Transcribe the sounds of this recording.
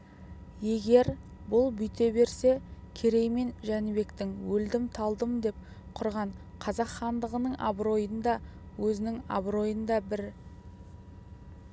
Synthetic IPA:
je̞ɡʲe̞ɾ | bʊlˠbʏjt̪e̞be̞ɾse̞kʲʰe̞ɾe̞jme̞nʒænɪbe̞kt̪ɪŋwɵld̪ɪmt̪ʰɑlˠd̪əməd̪e̞p̚ | qʰʊɾʁɑɴ | qʰɑzɑqχɑnd̪əʁənəɴʔɑ̰bɾo̞jənd̪ɑ | wɵzɪnɪŋa̰bɾo̞jənd̪ɑbɪɾ

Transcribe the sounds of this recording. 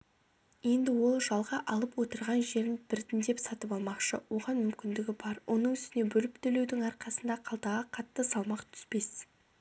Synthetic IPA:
je̞nd̪ɪwo̞lˠʒɑlˠʁɑʔɑlˠəpwo̞t̪əɾʁɑnʒe̞ɾɪnbɪɾt̪ɪnd̪e̞psɑt̪əpɑlˠmɑqʃə̰wo̞ʁɑnmʏmkʲɪnd̪ɪɡʲɪbɑɾwʔo̞nəɴʏst̪ɪne̞bɵlɪpt̪ʰɵle̞wd̪ɪŋɑɾqɑsənd̪ɑqʰɑlˠt̪ɑʁəqʰɑt̪ːəsɑlˠmɑqt̪ʰʏ̥spe̞s

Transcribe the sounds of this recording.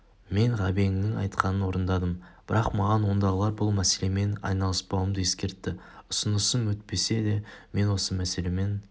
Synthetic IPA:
me̞ɴʁɑbe̞ŋnɪŋɑ̰jt̪qʰɑnənwo̞ɾənd̪ɑd̪əmb̥ɪɾɑqmɑʁɑnwo̞nd̪ɑʁəlˠɑɾbʊlˠmæse̞le̞me̞nɑ̰jnɑlˠəspɑwəmd̪əjeskʲe̞ɾt̪ːɪ | ʊsʊnəsəmwɵt̪̚pe̞se̞d̪e̞me̞nwo̞səmæse̞le̞me̞n

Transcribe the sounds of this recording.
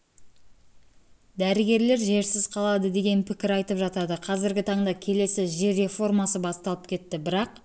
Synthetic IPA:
d̪æɾɪɡʲe̞ɾle̞ɾʒe̞ɾsɪzqʰɑlˠɑd̪əd̪e̞ɡʲe̞npʰɪkʲɪɾɑjt̪əpʒɑt̪ɑd̪əqʰɑzɪɾɡʲɪt̪ʰɑɴd̪ɑkʲʰe̞le̞sɪʒeɾe̞fo̞rmɑsəbɑst̪ɑlˠəp̚kʲʰe̞t̪ːɪbɪɾɑq

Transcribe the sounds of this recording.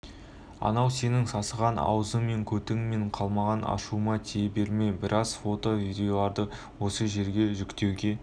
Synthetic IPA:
ɑ̰nɑwse̞nɪŋsɑsəʁɑnɑ̰wəzəŋme̞ŋkʲʰɵt̪ɪŋme̞ɴqʰɑlˠmɑʁɑnʔɑ̰ʃumɑt̪ʰiebe̞ɾme̞bɪɾʔɑz̥fo̞t̪o̞vijd̪ʲe̞o̞lˠɑɾd̪ə | wo̞səʒe̞ɾɡʲe̞ʒʏkt̪e̞wɡʲe̞

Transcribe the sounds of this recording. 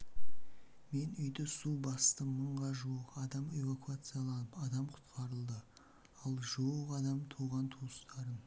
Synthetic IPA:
me̞nʏjd̪ɪsubɑst̪əməɴʁɑʒuwəqɑd̪ɑme̞vakuat̪sɨjalˠɑnəpɑd̪ɑmqʰʊ̥t̪qʰɑɾəlˠd̪ə | ɑlˠʒuwəqɑd̪ɑmt̪ʰuʁɑnt̪ʰust̪ɑɾəm

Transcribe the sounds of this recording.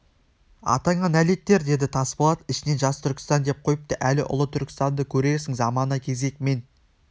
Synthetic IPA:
ɑ̰t̪ɑɴɑnæle̞t̪ːe̞ɾd̪e̞d̪ɪt̪ʰɑspɑlˠɑt̪ɪʃɪne̞nʒɑst̪ʰʏɾkʲɪ̥st̪ɑnd̪e̞p̚qʰo̞jəp̚t̪ɑʔælɪʔʊ̰lˠət̪ʰʏɾkʲɪ̥st̪ɑnd̪əkʲʰɵɾe̞ɾsɪŋzɑmɑnɑkʲʰe̞ze̞k̚me̞n

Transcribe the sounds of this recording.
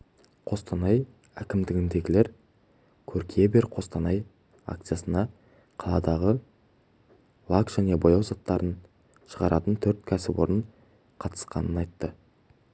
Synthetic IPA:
qʰo̞st̪ɑnɑj | ækʲɪmd̪ɪɡʲɪnd̪e̞ɡʲɪleɾ | kʲʰɵɾkʲʰijebeɾqʰo̞st̪ɑnɑj | a̰k̚t̪sɨjasənɑ | qʰɑlˠɑd̪ɑʁə | lˠɑkʒ̥æne̞bo̞jɑwzɑt̪ːɑɾən | ʃəʁɑɾʔɑt̪ənt̪ʰɵɾt̪kʲʰæsɪbo̞̰ɾəɴ | qʰɑt̪ə̥sqɑ̰nənɑjt̪ːə

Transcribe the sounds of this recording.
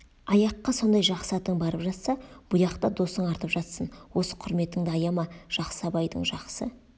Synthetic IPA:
ɑjɑqːɑso̞nd̪ɑjʒɑqsɑt̪əɴbɑɾəpʒɑt̪sɑb̥ʊjɑqt̪ɑd̪o̞səɴɑɾt̪əpʒɑt̪sənwo̞sə̥qʰʊɾme̞t̪ɪŋd̪ɪɑjɑmɑʒ̥ɑqsɑbɑjd̪ə̰ɴʒɑqsə

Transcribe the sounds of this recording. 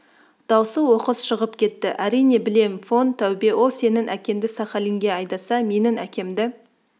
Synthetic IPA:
d̪̥ɑwsəwo̞qəzʃəʁəp̚kʲʰe̞t̪ːɪʔæɾijne̞bɪle̞mfo̞nt̪ʰːæwbe̞ʔo̞se̞nɪnʔækʲe̞md̪ɪsɑχɑlɪŋɡʲe̞ɑjd̪ɑsɑme̞nɪnækʲe̞md̪ɪ

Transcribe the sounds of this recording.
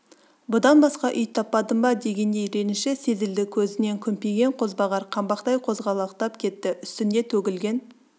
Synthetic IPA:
bʊd̪ɑnbɑsqɑʔʏjt̪ʰɑpːɑd̪əmbɑd̪e̞ɡʲe̞nd̪e̞jɾe̞nɪnʃɪse̞zɪld̪ɪkʲʰɵzɪne̞ŋkʲʰʏmpeɡʲe̞ɴqʰo̞zbɑʁɑɾqʰɑmbɑqt̪ɑjqʰo̞zʁɑlˠɑqt̪ɑpkʲʰe̞t̪ːɪʔʏst̪ɪnd̪e̞t̪ʰɵɡʲɪlɡʲe̞n

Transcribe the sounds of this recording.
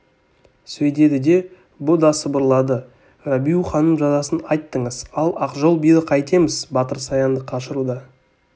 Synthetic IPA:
sɵjd̪e̞d̪ɪd̪e̞ | bʊd̪ɑsəbəɾlˠɑd̪ə | rabʲijuχɑnəmʒɑzɑsənɑjt̪ːəɴəzɑlˠɑqʒo̞lˠbijd̪əqʰɑjt̪e̞mɪzbɑt̪əɾsɑjɑnd̪əqʰɑʃəɾud̪ɑ

